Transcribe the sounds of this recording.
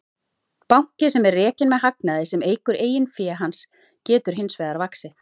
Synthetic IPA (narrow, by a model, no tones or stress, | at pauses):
pawŋ̥cɪsɛmɛrːɛːcɪnmɛðɦaknaðɪsɛmeːjkʏɾʔeːjɪnfjɛːɦans | cɛːt̪ʏɾ̥ɦɪnsvɛːðaɾvaksɪ